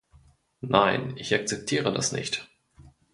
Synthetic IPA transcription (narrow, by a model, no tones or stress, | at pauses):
naɪnɪçʔak̚t͡sɛp̚tʰiːʁəda̰snɪ̰çt